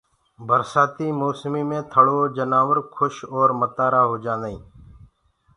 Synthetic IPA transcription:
bʱəɾsaːt̪iːmoːsəmiːmẽːt̪ʰəɽoːd͡ʒənaːʋəɾkʰʊʃoːɾmət̪aːɾaːɦoːd͡ʒãːnd̪əĩː

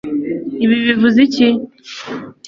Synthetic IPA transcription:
iβiβivuzici

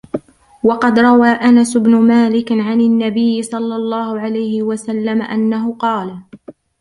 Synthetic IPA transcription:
wɑqɑd̪ɾˤɑwaːʔanasʊbnʊmaːlɪkʕanɪnːabɪjːɪsˤɑlːɑlˤːɑːhʊʕalajhɪwasalːamaʔanːaɦʊqɑːl

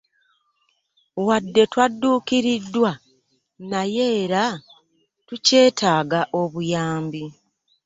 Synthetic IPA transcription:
wadːe̞twadːuːkiɾidːwa | naje̞ːɾa | tuce̞ːtaːɡaʔo̞βujaːmbi

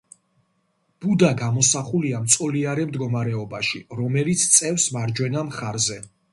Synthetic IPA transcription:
b̥ud̪aɡamɔsaχuliamt̪sʼɔliaɾɛmd̪ɡɔmaɾɛɔbaʃiɾɔmɛlit̪sʰt̪sʼɛfsmaɾd͡ʒwɛnamχaɾzɛ

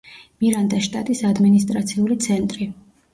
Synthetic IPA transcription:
miɾand̪ʰʼaʃt̪ʼa̰t̪ʼisad̪minis̬t̪ʼɾat̪sʰiulit̪sʰɛnt̪ʼɾi

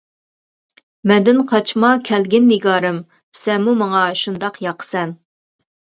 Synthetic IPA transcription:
mɛnd̪ɪnqʰɑt͡ʃʰmɑkʲʰɛlɡʲɪnːiɡɑːɾɨm | psɛmːumɑŋɑʃund̪ɑqʰjɑqʰːə̥sɛn

